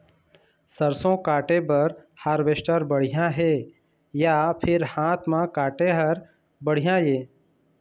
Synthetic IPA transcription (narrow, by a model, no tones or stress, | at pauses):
səɾsõkaːʈebəɾhaːɾʋeʃʈəɾbəɽ̤ijãɦe | japʰɪɾhaːt̪ʰmãkaːʈeɦəɾ | bəɽ̤ijãjeː